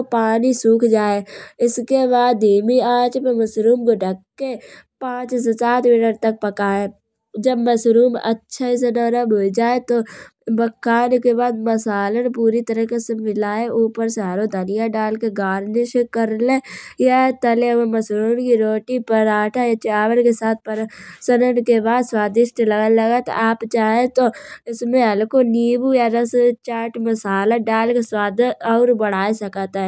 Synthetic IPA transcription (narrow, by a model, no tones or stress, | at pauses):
paːnisuːkʰd͡ʒaːeɪskebaːd̪iːmiaːt͡ʃmẽmɐsɾuːmkoʈəkːepãːt͡ʃsesaːt̪mɪʈəɾt̪ɐk̚pɐkaːe | d͡ʒɐbmɐsɾuːmə̰tːʃʰaɪs̬enːɾəboid͡ʒaːet̪obɐkːaːnkebaːd̪mɐsaːlənpuːɾit̪əɾəɦkesemɪlaːeʔuːpəɾsaːɾod̪ʱənɪjaɖaːlkeɡaːɾnɪʃkəɾlẽjat̪əleemɐsɾuːnkiɾoːʈipəɾaːʈʰajat͡ʃaːʋənkesaːt̪̚ʰpəɾsənənkebaːd̪swaːd̪ɪʃt̪lɐɡlɐɡət̪aːpt͡ʃaːɦẽt̪oɪsmẽɦɐlkoniːbujaɾɐst͡ʃaːʈʰmɐsaːlaɖaːlkeswaːd̪ɔːɾbɐɽ̤aːesɐkːt̪ɦɛ